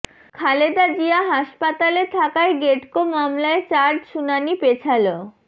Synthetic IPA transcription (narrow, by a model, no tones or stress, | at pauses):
kʰaled̪ad͡ʑiaɦaʃpat̪alet̪ʰakaeɡeʈkomamlaet͡ɕaɾɖʃunanipet͡ɕʰalo